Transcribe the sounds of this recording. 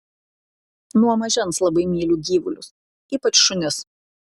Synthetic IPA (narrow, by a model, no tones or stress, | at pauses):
nuɔmɐʒʲɛnslˠɐbɐɪmʲiːlʲuːɡʲiːʋʊlʲʊs | iːpɐt͡ʃʃʊnʲɪs